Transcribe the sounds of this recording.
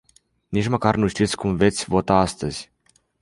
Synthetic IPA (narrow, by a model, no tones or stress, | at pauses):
nit͡ʃməkarnuʃt̪it̪sʲkumve̞t̪sʲvo̞t̪aast̪əz̥ʲ